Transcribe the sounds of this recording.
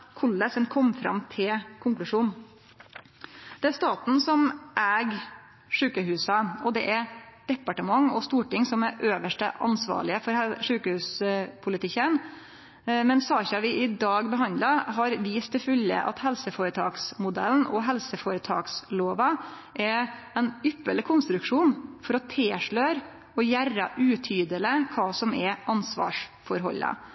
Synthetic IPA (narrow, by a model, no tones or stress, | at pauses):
kʰʊlːəsɛnkʰɔmːfɾɑ̰mt̪ʰɪlkʰʊŋklʉʂuːn | d̪̥ɛæɾst̪ɑːt̪n̩sɔmʔæːɡ | ʂʉːkəɦʉːsɑɔd̪ɛʔæɾd̪̥ɛpːɑʈəmɑŋɔst̪uːʈɪŋsɔmæɾʔøːʋəʂʈə̰ʔɑ̰nsʋɑ̰ːɭɪəfɔɾʂʉːkəhʉːspʰʊlɪt̪ʰɪkːən | mɛnsɑːçɑʋɪʔɪd̪ɑːɡbəɦɑnd̪lɑɦɑɾʋiːst̪ʰːɪlfʉlːə̰ʔɑ̰t̪hɛlsəfoːɾət̪ʰɑːksmʊd̪ɛ̰ln̩ɔɦɛlsəfoːɾət̪ʰɑːksloːʋɑ | ʔɛ | ɛnʏpːəɭɪkʰʊnst̪ɾʉkʂuːnfɔɾɔt̪ʰeːʂɭøːɾ | ɔjæɾɑʔʉːt̪ʰyːd̪ələkʰɑːsɔmɛʔɑnsʋɑ̰ːʂfɔɾɦɔ̰lːɑ̰